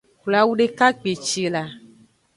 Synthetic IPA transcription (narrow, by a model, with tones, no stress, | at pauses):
kla˨wu˦ɖe˦ka˦k͡pe˨t͡ʃe˨la˨